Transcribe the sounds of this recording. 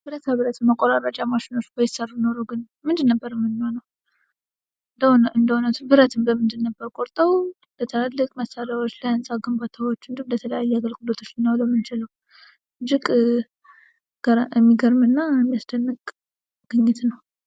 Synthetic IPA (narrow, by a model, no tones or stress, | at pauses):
b̥ɨɾət̪aβɨɾət̪ʰɨmːəkʼoɾaɾat͡ʃʼamaʃɪno̞t͡ʃːbəjɪsərːujno̞ɾəwɡɨn | mɨnd̪ɨnːəbːəɾɨmːɨnːihonəw | d̪ɨnd̪əhonət̪bɨɾət̪ʰɨmbəmɨnd̪ɨnːəbːəɾkʼoɾt̪ʼəw | lət̪ʰəalːɨkʼməsaɾawo̞t͡ʃːlajansʼaɡɨmbat̪ʰawot͡ʃːɨnd̪umd̪ət̪ʰələjajːɛaɡəlɡud̪ət̪ʰo̞t͡ʃːɨnːaləmɨnt͡ʃɪləw | d͡ʒɪkʼ | ɡɾɛmːiɡəɾmɨnːajɛmːijasd̪ənːɨkʼ | ɡ̥ɨɲːɪt̪nəw